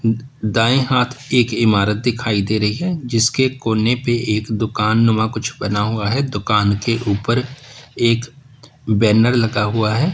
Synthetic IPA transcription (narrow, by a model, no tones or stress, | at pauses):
d̪aːẽɦaːt̪ʰeːkɪmaːɾət̪̚d̪ɪkʰaːid̪eːɾɐɦiɦɛːd͡ʒɪskekoːnepeʔeːkd̪ʊkaːnːʊmakʊt͡ʃʰbɐnaɦʊaɦɛd̪ʊkaːnkeʔuːpəɾeːk | bɛːnəɾlɐɡaɦʊaɦɛː